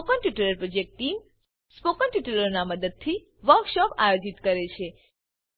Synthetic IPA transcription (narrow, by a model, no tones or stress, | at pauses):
okəɳʈiʈuləɾpɾod͡ʒek̚ʈʈːim | spokənʈiʈuləɾnaməd̪əd̪̚t̪ʰi | ʋəɾkʃɔpajod͡ʒit̪kəɾet͡ʃʰe